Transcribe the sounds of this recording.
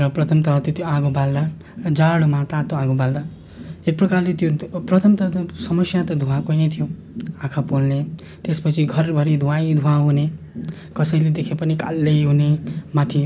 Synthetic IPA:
ɾʌprʌt̪ʰʌmt̪ʌɾʌt̪jot̪joaɡobald̪a | d͡zaɽmat̪at̪oaɡobald̪a | ek̚prʌkarlet̪joprʌt̪ʰʌmt̪ʌsʌmʌsjat̪ʌd̪ʱuãkojnʌjt̪ʰijo | ãkʰapolne | t̪espʌt͡sʰiɡʱʌrbʱʌɾid̪ʱuaid̪ʱuãɦune | kʌsʌĩled̪ekʰepʌnika̰lːejɦunemat̪ʰi

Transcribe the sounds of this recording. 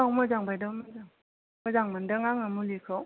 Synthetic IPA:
amɔzaŋbajdamazaŋ | mɔzaŋmandaŋaŋamulikʰɔw

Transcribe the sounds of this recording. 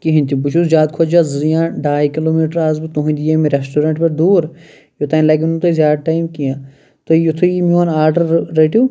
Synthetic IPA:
kiɦĩnt̪ibʊʃusd͡ʒaːd̪̚kʰoːd͡ʒaːzɐɾijãːɖaːjkɪloːmiːʈəɾaːzbt̪õɦũd̪ijeːmẽɾesʈoːɾẽɳʈpɐɾd̪uːɾ | jot̪aːinlaːk̬int̪oizʲjaːd̪ʈaːjmkijãː | t̪ojʊt̪ʰoimoːnaːɾɖəɾːeʈuː

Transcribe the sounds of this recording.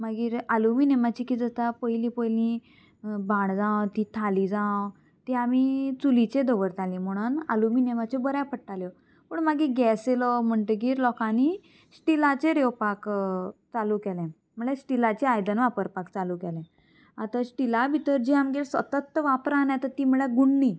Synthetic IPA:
maɡiːɾaluminemat͡ɕikiːd͡zət̪apəjlĩpəjlĩ | bãɳd͡zãwt̪it̪ʰalid͡zã | t̪iamit͡sulit͡ɕed̪ɔʋəɾt̪alĩm̤əɽ̃una̰lumiːnemat͡ɕebəɾjapəʈːaljɔ | pəɳmaɡiːɡɛselɔm̤əɳʈeɡiːɾlɔkãni | sʈilat͡ɕeɾewpakt͡salukɛlɛ̃ | m̤əɭesʈilat͡ɕeajd̪ənʋapəɾpakt͡saluːkɛlɛ̃ | at̪asʈilabʱit̪əɾd͡ʑiamɡelsʋət̪ət̪ːʋapɾanjat̪ət̪iːm̤əɭeɡuɳːi

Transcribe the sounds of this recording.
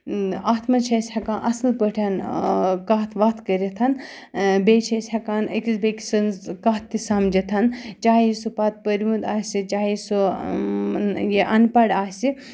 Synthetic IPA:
aːt̪ʰmɐt͡ʃʰɐsʲhɐkãːʔɐsɨlpəʈʰankaːt̪ʰʋat̪ʰkəɾit̪ʰɐn | beːt͡ʃʰɐsʲhɐkaːnəkisbeki̥sɐnzkaɦt̪ːisamd͡ʒit̪ʰɐnt͡ʃaːjisupat̪̚pəɾʋund̪aːsit͡ʃaːisu | jiʔɐnpɐɽaːsi

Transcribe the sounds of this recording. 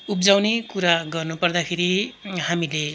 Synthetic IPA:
up̚d͡zawnekuɾaɡʌrnupʌrd̪akʰeɾihamile

